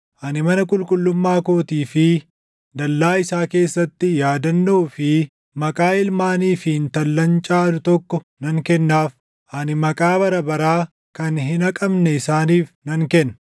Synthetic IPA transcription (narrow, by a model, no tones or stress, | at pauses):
ʔɐnɪmɐnɐkʼʊlkʼʊlːʊmːaːkoːt̪iːfɪ | d̪ɐlːaːɪsaːke̞ːsːɐt̪ːɪjaːd̪ɐnːoːfɪ | mɐkʼaːɪlmaːniːfɪnt̪ɐlːɐnt͡ʃʼaːd̪ʊt̪ɔkːɔ | nɐŋkɛnːaːf | ʔɐnɪmɐkʼaːbɐɾɐbɐɾaː | kɐnɦɪnɐkʼɐbnɛɪsaːniːfnɐŋkɛnː